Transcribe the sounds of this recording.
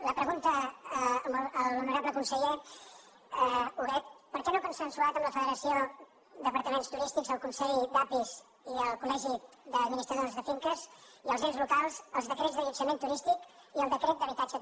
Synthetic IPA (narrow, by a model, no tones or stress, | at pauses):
ləpɾəɣunt̪ə | məlˠunəɾabləkunsəʎe | uɣɛt̪̚pəɾkɛnokunsənsuat̪əmləfəðəɾəsio | d̪əpəɾt̪əmenst̪uɾist̪iɡzəlˠkunsɛʎd̪apiz | iəlˠkulɛʒi | ðəd̪minist̪ɾəonzðəfiŋkəziəlˠzɣenzlukalˠsəlˠzðəkɾezðəʎusəmẽnt̪uɾist̪ikiəlˠd̪əkɾet̪d̪əβit̪ad͡ʒə